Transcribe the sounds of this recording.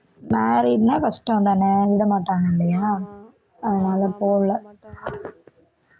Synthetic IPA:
maːɾiːɖnaːkɐʂʈːɐ̃ʋnd̪aːnɛʋɪɽɐmaːʈːaːŋɡɐɪɳɖɐjaː | ɐðɐnaːlɐpoːʋlɐ

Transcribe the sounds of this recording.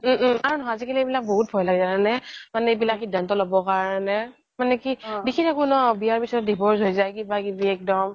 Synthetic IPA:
aɹunɔɦɔjazikʰelɛejbilak̚boɦut̚bʱɔjlaɡɛzananɛmanɛebilakxidʱːantɔlobɔkaɹɔnɛ | manɛkidikʰitʰakunɔbijaɹpitʰɔɔdibʱɔɹsɦojzajkibakibiɛk̚dɔm

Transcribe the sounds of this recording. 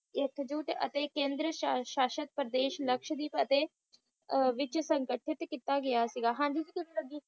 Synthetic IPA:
ekʰd͡ʒuːʈə̰t̪eːkẽːnd̪ɾəʃaːʃət̪̚pɾəd̪eːʃləkʃd̪iːpət̪eː | ʋɪt͡ʃsə̃ŋkəʈʰɪt̪kit̪aːɡɐjaːsiɡaːɦãːɲd͡ʒid͡ʒik̪ɪnẽləɡiː

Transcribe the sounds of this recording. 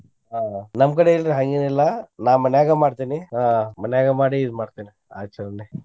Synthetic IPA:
ɦaːnɐmkɐɽeːɭɾeɦaŋɡenɛlːɐnaːʋmɐnjaːɡɐmaːɽt̪iːniɦaːmɐnjaːɡɐmaːɽiːd̪maːɽt̪iːni | a̰t͡ʃːɐɐɳɖi

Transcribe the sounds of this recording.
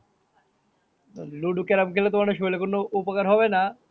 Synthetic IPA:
t̪oluɖukeɾabkʰelot̪omaneʃojlekonːoupokaɾɦɔbena

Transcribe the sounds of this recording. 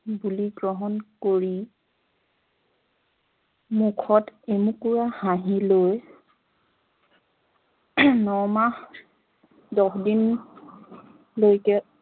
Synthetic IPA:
buliɡɹɔɦɔnkoɹi | mukʰɔtemukuɹahaɦiloj | nɔmax | dɔxdin | lojkɛ

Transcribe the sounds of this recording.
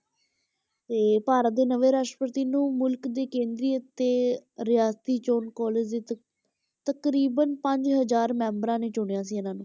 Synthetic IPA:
t̪eːpaːɾət̪̚d̪eːnəʋeːɾaːʃʈɾəpət̪iːnũːmʊlkd̪eːkẽːnd̪ɾiːət̪eːɾɪjaːst̪iːt͡ʃoːnkɔːleːd͡ʒd̪eː | t̪əkɾiːbənpə̃ɲd͡ʒɦəzaːɾmɛ̃ːmbəɾãːnẽːt͡ʃʊɳejãːs̬iːənãːnũː

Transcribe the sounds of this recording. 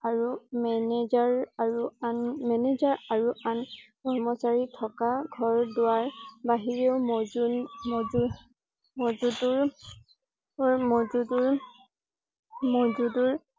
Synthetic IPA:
aɹumɛnɛzaɹaɹuanmɛnɛzaɹaɹuʔankɔɹmɔsaɹitʰɔkaɡʱɔɹdʊwaɹbaɦiɹeʊm | m | mɔzutuɹ | mɔzuduɹ | mɔzuduɹ

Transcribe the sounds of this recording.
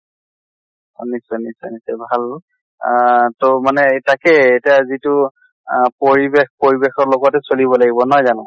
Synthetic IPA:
o̰nisɔnisɔ̰nisɛbʱal | tomanɛtakɛetiazitʊ | poɹibexpoɹibexɔɹlɔɡɔtɛsolibɔlaɡibɔnɔjzanʊ̃

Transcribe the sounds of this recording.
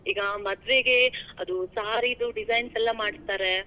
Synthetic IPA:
iːɡɐmɐd̪ʋeɡe̞ɐd̪usɐɦaːɾid̪uɖid͡ʒɐjnsɛlːɐmaːɖt̪aːɾe

